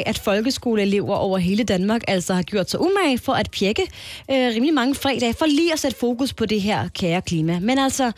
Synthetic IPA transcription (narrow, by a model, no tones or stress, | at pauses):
ʔæd̥fɒ̽lɡ̥əsɡ̥o̝ːləele̝ʊɐʔɒʊ̰ɐɦe̝ːləd̥ænmɑ̈ːɡ̥æl̰sɒhɑ̈ɡ̥jo̝ɐ̰d̥sɑ̈ʔumæɪfɒ̽ʔæd̥̚pʰjeɡ̥ə | øʁiːmlimɑ̈ŋəfʁɛ̰ːd̥ɛ̰ːfɒliːɒ̽sed̥əfo̝ːkuspʰɒ̽d̥e̝ɦeɐ̰kʰæːɐkʰliːmæmenæl̰sɒ